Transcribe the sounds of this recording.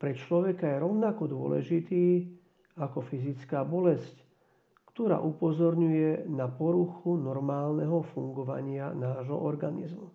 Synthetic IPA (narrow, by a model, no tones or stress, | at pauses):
pɾɛt͡ʃlɔʋɛkajɛɾɔʊnakɔd̪ʊɔ̰lɛ̰ʒit̪iː | akɔfizit͡skaːbɔlɛsc | kt̪ɔɾa̰ːʔupɔzɔɾɲujɛnapɔɾuxunɔɾmaːlnɛɦɔfuŋɡɔʋa̰ɲɪanaːʒɦɔ̰ʔɔɾɡanḭzmu